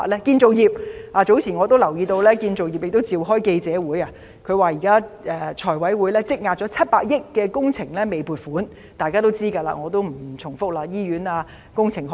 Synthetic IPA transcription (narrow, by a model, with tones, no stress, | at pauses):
lɛː˥kiː˧nt͡so˨wjiː˨p̚aː˨˧t͡so˨˥wt͡sʰiː˨˩nŋɔː˨˧t̪̬o˥wlɐ˨˩wjiː˧t̪o˧wlɛː˥kiː˧nt͡so˨wjiː˨p̚jɪ˨k̚t̪o˥wt͡siː˨˧wɦɔː˥jke˧jt͡sɛː˨˥wuː˨˥jaː˧ | kʰɵ˨˧ɥwaː˨jiː˨˩kaː˥ʔɛː˨˧t͡ʃʰɔː˨˩jwɐ˨˥jwuː˨˥jlɛː˥t͡sɪ˥k̚ŋaː˨˧t̚t͡sɔ˨˥t͡sʰɐ˥t̚paː˧k̚jɪ˥kːɛː˧kʊ˥ŋt͡sʰɪ˨˩ŋlɛ˥me˨˧jpuː˨˩t̚fuː˨˥n | t̪aː˨jkaː˥t̪o˥wt͡siː˥ɡɐ˧la̰ː˧˩ŋɔː˨˧t̪o˥wm̩˨˩˨t͡sʰʊ˨˩ŋfʊ˥k̚laː˧jiː˥ɥyː˨˥naː˧ | kʊ˥ŋt͡sʰɪ˨˩ŋɦ